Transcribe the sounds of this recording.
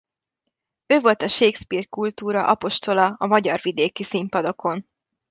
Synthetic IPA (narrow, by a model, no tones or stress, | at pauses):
øːvo̞lt̪ɒʃeːkspiːrkult̪uːɾɒ̰ʔɒpo̞ʃt̪o̞lɒɒmɒɟɒrvid̪eːkisimpɒd̪o̞kʰo̞n